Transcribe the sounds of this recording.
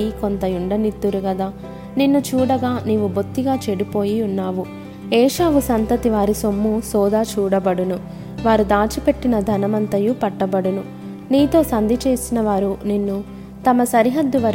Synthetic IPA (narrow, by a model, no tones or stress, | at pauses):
iko̞nt̪ɐjuɳɖɐnit̪ːuɾuɡɐd̪aː | ninːut͡ʃuːɽɐɡaːniːʋubot̪ːiɡaːt͡ʃeɽipo̞ːjiunːaːʋu | ɛːʂaːʋusɐnt̪ɐt̪iʋaːɾisomːusɔːd̪aːt͡ʃuːɽɐbɐɽunu | ʋaːɾud̪aːt͡ʃipe̞ʈːinɐd̪ʱɐnɐmɐnt̪ɐjupɐʈːɐbɐɽunu | niːt̪o̞ːsɐnd̪ʱit͡ʃe̞ːsinɐʋaːɾuninːu | t̪ɐmɐsɐɾiɦɐd̪ːuʋɐɾ